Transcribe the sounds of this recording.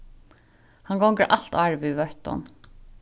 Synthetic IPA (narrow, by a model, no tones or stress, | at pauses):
hɑŋɡɔŋɡəʔɑlt̪ɑɹʋʉʋœt̪ɔ̰n